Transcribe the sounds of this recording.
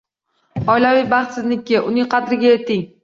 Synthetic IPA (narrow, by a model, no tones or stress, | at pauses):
ɒɪlavɪjbɑχt̪sɪznɪkʲːɪʔʊnɪŋqʰɑd̪ɾɪɡʲajet̪ɪŋ